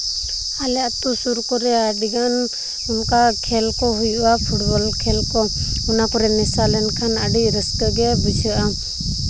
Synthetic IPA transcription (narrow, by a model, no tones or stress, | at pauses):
alɛat̪usuɾkɔɾɛaɖiɡan | unkakʰɛlkɔɦujuwapʰuʈ̚bɔlkʰɛlkɔunakɔɾɛnɛsalɛnkʰanaɖiɾəskəɡɛbisiʔa